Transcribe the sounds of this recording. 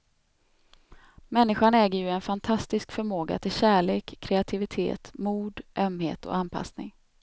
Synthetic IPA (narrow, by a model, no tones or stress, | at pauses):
mɛnːɪɧaɳɛːɡəjɵɛnfant̪ʰast̪ɪskfœɾmoːɡa̰t̪ʰɪlɕæːɭeːkʰːɾɛat̪ʰɪvɪt̪ʰḛːt̪muːd̪ʔœmhḛːt̪ɔ̰anpʰa̰snɪ̰ŋ